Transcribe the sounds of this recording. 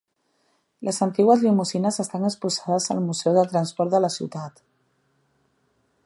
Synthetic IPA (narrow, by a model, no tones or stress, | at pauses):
lʔəzənt̪iɣwəzlimuzinəzəst̪anəspuzaðəzəlmuzɛwðət̪ɾənspɔɾt̪d̪ələsḭwt̪at̪